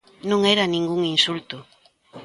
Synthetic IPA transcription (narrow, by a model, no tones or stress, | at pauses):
nõŋɛɾanĩŋɡuŋinsult̪ʊ